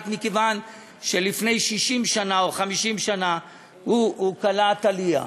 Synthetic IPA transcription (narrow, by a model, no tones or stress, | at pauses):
t̪mikevan | ʃe̞lifne̞jʃiʃimʃanaoχamiʃimʃana | huukalat̪alia̰